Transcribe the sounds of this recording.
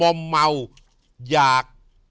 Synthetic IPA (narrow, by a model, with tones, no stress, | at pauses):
ɔ˧mːa˧u˨ | d͡ʒa˨k̚